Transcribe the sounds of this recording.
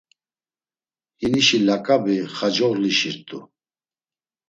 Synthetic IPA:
hiniʃilakʼabiχad͡ʒɔɣliʃiɾt̪ʼu

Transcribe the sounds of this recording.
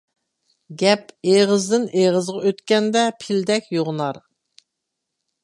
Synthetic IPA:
ɡʲɛpeʁəzd̪ɪneʁəzʁɑøt̪kʲɛnd̪ɛpʰɪld̪ɛkʲjoʁnɑɾ

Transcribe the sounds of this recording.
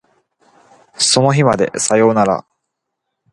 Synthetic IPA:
so̞no̞çimad̪e̞̰sajo̞ːnaɾa̰

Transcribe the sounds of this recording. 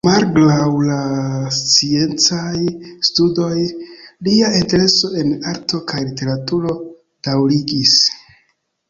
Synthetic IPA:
malɡlawlast͡sie̞nt͡sajstudo̞jliainte̞ɾe̞soe̞naɾtʰo̞kajlite̞ɾatuɾo̞ | d̥awliɡis

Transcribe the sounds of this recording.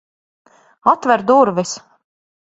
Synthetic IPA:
at̪vɛɾd̪uɾvis

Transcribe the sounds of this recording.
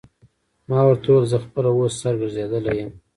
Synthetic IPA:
mɑwaɾt̪olzəxpəlawosːaɾɡəɾzed̪əlejəm

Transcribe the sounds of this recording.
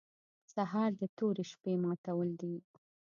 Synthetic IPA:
saɦɑɾd̪ət̪oɾeʃpemɑt̪awəld̪i

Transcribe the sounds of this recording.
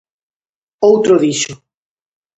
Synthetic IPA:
owt̪ɾoðiʃʊ

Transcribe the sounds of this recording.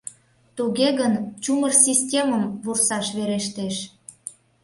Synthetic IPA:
t̪uɣeɣənt͡ɕumərsʲisʲtʲeməmvursɑʃβeɾeʃt̪eʃ

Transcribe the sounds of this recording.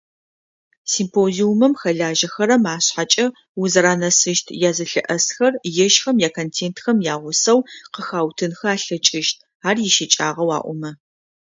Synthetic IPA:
simpʰoːziumɐmxɐɮaːʒɐxɐɾɐmaːɕħat͡ʃʼɐ | wʊzɐɾaːnɐsɨʃtʰjaːzɨɬɨ̰ʔɐsxɐrjɪʃxɐmjaːkʰoːntʰeːntxɐmjaːʁʷʊsɐwqəxaːwtʰɨnxɐaːɬɐt͡ʃʼɪʃt̚ʰ | aːrjɪʃɪt͡ʃʼaːʁɐwa̰ːʔʷɔmɐ

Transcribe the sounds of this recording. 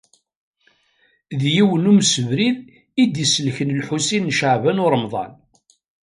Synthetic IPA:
ðjiwənumsəvɾið | id̪isəlçənəlħusinːʃəʕvænʊɾˤəmðˤɑ̰n

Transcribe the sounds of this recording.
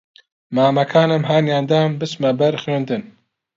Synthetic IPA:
maːmɐkʰaːnɐmɦaːnjaːnd̪aːmbɨsmɐbɛɾxweːnd̪ɨn

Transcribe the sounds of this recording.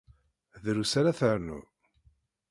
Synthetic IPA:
ðɾusaɾaθəʕnṵ

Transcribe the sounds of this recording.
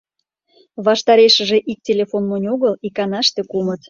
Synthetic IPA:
βɑʃt̪ɑɾeʃə̆ʒeʔik̚tʲelʲefonːonʲoɣəlikɑnɑʃt̪ekumət̪

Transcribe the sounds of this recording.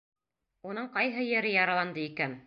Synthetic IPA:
unɤɴqɑjɦɤjɘ̆ɾɘjɑɾɑlˠɑnd̪ɤikæn

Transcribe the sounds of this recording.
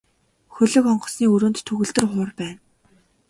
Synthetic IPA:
xɵɮɵ̆kɔɴɢɞ̆sniːɵɾoːnt̪t̪ʰːɵɣɵ̆ɮt̪ɵ̆rχʊːrpæːn

